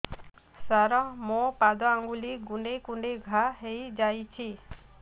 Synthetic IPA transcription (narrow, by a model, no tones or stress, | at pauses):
saɾɔmõpad̪ɔaŋɡuliɡuɖekuɳɖeɡʱaɦejd͡ʒajt͡ʃʰi